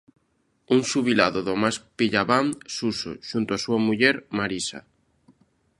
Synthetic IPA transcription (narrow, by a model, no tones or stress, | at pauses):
uŋsuβila̰ðoðomaspiʎaβaŋsuso̰ʃunt̪oasuamuʎɛɾmaɾisa̰